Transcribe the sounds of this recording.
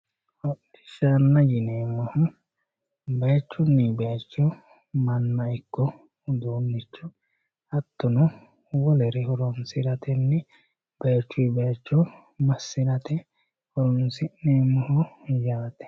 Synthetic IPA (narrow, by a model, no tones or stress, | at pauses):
hɔʔɪʃanːɐjɪneːmːɔhʊ | beːt͡ʃːʊnːibeːt͡ʃːɔ | mɐnːɐɪkːɔ | d̪oːnːɪt͡ʃːʊ | ɐt̪ːʊnɔ | wɔlɛɾɛhɔɾɔnsɪɾɐt̪ɛnːɛ | b̥eːt͡ʃːʊjbeːt͡ʃːɔ | mɐsːɪɾɐt̪ʰɛ | hɔɾɔnsɪʔneːmːɔhʊjaːt̪ɛ̥